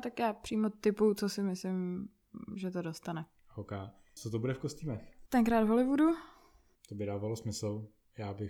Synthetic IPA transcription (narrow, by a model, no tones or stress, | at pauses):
t̪akjaːpr̝̥iːmot̪ɪput͡sosɪmɪslɪm | ʒɛt̪odost̪anɛ | hokaː | t͡sot̪obudɛfkosciːmɛxt̪ɛŋkɾaːd̪vɦolɪvudu | t̪obɪdaːvalosmɪsl̩ | jaːbɪ